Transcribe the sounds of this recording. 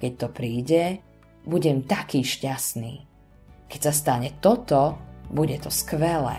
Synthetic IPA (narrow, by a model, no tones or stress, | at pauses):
kɛc̚t̪ɔpɾiːɟɛ | buɟɛmt̪akiːʃcasnḭː | kɛcsast̪aɲɛt̪ɔt̪ɔbuɟɛt̪ɔskʋɛlɛ̰